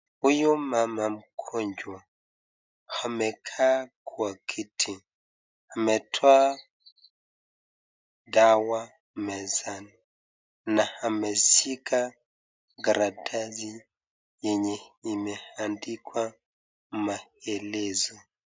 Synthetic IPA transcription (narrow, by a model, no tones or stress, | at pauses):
ujumamam̩kʰɔɲd͡ʒwa | hamɛkʰakʰuakʰitʰi | hamɛtʰwa | dawa | mɛzan | nahamɛsikʰa | ɡaɾadazi | jɛɲɛimɛhandikʰwa | mahɛlɛzɔ